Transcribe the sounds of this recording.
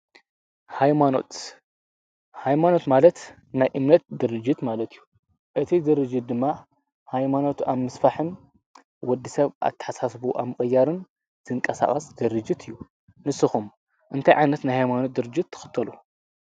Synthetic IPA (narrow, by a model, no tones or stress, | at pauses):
hajmano̰t̪ | hajmano̞t̪malɐt̪ | najʔɨmnɐt̪̚d̪ɨɾɨd͡ʒːit̪malɐt̪ʰɨjːu | ʔɨt̪ʰizɨɾɨd͡ʒːɨt̪̚d̪ɨmːa | hajmanot̪aβmɨsfaħɨn | wɔd̪ːisɐβʔa̰t̪ʰːɐ̥ħasasbuʔa̰βmɨχʼɨjːaɾɨn | z̥ɨŋkʼɐsa̰χʼɐsd̪ɨɾɨd͡ʒit̪ʰɨjːu | nɨsːɨxum | ʔɨnt̪ʰajʕajnɐt̪najhajmanot̪̚d̪ɨɾɨd͡ʒːɪt̪ʰːɨ̥xɨ̥t̪ʰːɐlu